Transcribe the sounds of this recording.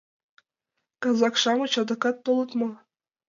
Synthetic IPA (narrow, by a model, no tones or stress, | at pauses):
kɑzɑkʃɑmut͡ɕɑd̪ɤ̆kɑt̪ːolˠɤ̆t̪mɤ̆